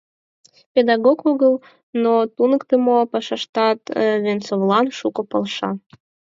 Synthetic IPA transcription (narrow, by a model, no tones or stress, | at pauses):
pʲed̪ɑɣokoɣəlˠ | not̪unəkt̪əmopɑʃɑʃt̪ɑt̪βʲent͡sovlˠɑnʃukɤ̆pə̆lˠʃɑ